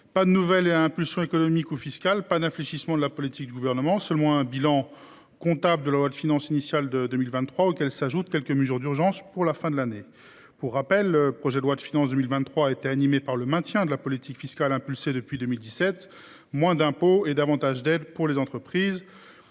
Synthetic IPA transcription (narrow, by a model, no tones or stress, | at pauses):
pad̪ənuvɛleaɛ̃pylsjɔ̃ekɔnɔmikufiskʲalpad̪ɛ̃fleʃismɑ̃d̪əlapɔlit̪ik̚d̪yɡuvɛʁnəmɑ̃sœlmɑ̃ɛ̃bilɑ̃ | kɔ̃t̪abləd̪əlalwad̪finɑ̃sinisjald̪əd̪əmilvɛ̃nt̪ːχwaokʲɛlsaʒut̪̚kʲɛlkəməzyʁd̪yʁʒɑ̃spuʁlafɛ̃d̪əlane | puʁːapɛlːəpχɔʒɛd̪əlwad̪finɑ̃sd̪ømilvɛ̃nt̪ːχwaːet̪eanimepaʁləmɛ̃t̪jɛ̃d̪əlapɔlit̪ikfiskʲalɛ̃pylsed̪əpɥid̪əmild̪isɛt̪ | mwɛ̃d̪ɛ̃poed̪avɑ̃t̪aʒd̪ɛd̪puʁlezɑ̃t̪χəpχiːz